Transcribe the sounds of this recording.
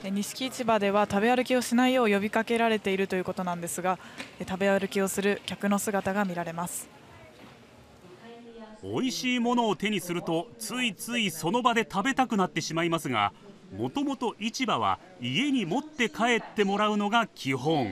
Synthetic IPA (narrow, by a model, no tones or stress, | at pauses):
eɲ̟iɕi̥kʲiːt͡ɕibad̪e̞β̞at̪abe̞aɾɯ̟kʲio̞ɕinaijo̞ːjo̞bʲikake̞ɾaɾe̞t̪e̞iɾɯ̟t̪o̞jɯ̟ko̞t̪o̞nãnd̪e̞sɨɡaet̪abe̞aɾɯ̟kʲio̞sɨɾɯ̟kʲakɯ̟no̞sɨɡat̪aɡamʲiɾaɾe̞masɨ̥ | o̞̰iɕiːmo̞no̞ːt̪e̞ɲ̟isɨɾɯ̟t̪o̞t͡sɨit͡sɨiso̞no̞bad̪e̞t̪abe̞t̪akɯ̟nat̪ːe̞ɕimaimasɨɡa̰ | mo̞t̪o̞mo̞t̪o̞ʔit͡ɕibaβ̞a̰ | ie̞ɲ̟imo̞t̪ːe̞kʰae̞t̪ːe̞mo̞ɾaɯ̟no̞ɡakʲʰiɦõ̞ŋ